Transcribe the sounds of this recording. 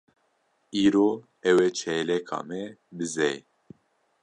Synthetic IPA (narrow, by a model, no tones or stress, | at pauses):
iːɾoː | ɛwɛt͡ʃʰɛlɛkʰɑ̰ːmɛbɨzɛj